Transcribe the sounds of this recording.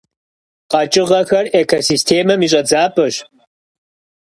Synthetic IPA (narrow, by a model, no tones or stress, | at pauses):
qɐt͡ʃʼɪʁɐxɐreːkʰosistʰeːmɐmiɕ̬ʼɐd͡zaːpʰʼɨɕ